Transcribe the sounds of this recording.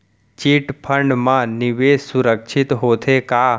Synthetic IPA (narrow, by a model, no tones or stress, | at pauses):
t͡ʃiːʈpʰə̃ɳɖmãnɪʋeːsʊɾəkʃʰɪt̪ɦoːt̪ʰekaː